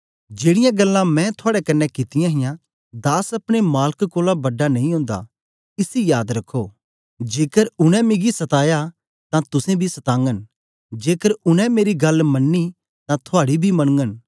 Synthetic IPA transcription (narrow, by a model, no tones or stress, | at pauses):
d͡ʒeːɽɪjãɡɐlːãmɛ̃t̪ʰʊaːɽɛkɐnːɛkɪt̪ɪjãɦɪjã | d̪aːsɐpɽ̃emaːlkkoːlabɐɖːanɐ̃ɦĩɦʊ̃ːnd̪a̰ | ɪsijaːd̪ɾɐkʰːo | d͡ʒeːkəɾʊɽ̃ɛ̃mɪɡisɐt̪aːja | t̪ãt̪ʊsẽbʱisɐt̪ãːŋɡən | d͡ʒeːkəɾʊñɛ̃meːɾiɡɐlmɐnːi | t̪ãt̪ʰʊaːɽibʱimɐɽəŋɡən